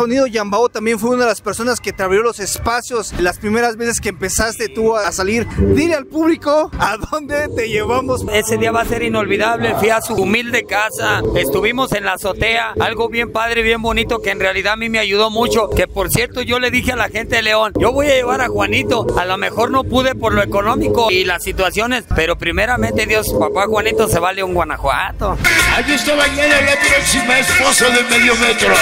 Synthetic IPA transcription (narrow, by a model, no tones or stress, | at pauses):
so̞niðoʝambaot̪ambje̞nfweunaðelaspe̞ɾso̞nasket̪ɾaβjolose̞spasjo̞slaspɾime̞ɾazβe̞se̞skeːmpe̞sast̪et̪uasaliɾd̪ilealpuβliko̞aðond̪e̞t̪eʝeβamose̞se̞ðiaβase̞ɾino̞lβiðaβle̞fwiasuumild̪e̞kasae̞st̪uβimo̞se̞nlaso̞t̪e̞aalɣo̞βje̞mpaðɾeβje̞mbo̞nit̪o̞ke̞ːnrealiðaamimeaʝuðo̞mut͡ʃo̞ke̞po̞ɾsjeɾt̪o̞ʝo̞le̞ðixealaxe̞nt̪e̞ðele̞o̞nɟ͡ʝo̞βo̞jaʝe̞βaɾaxwanit̪o̞alo̞me̞xo̞ɾno̞puðepo̞ɾloe̞pko̞nõ̞miko̞ilasit̪wasjo̞ne̞spe̞ɾo̞pɾime̞ɾamẽ̞nt̪eðjo̞spapaxwanit̪o̞se̞βaleuŋɡwana̰xwa̰t̪oajiest̪aβajanajat̪ɾesimaesposoðelmeðjomet̪ɾo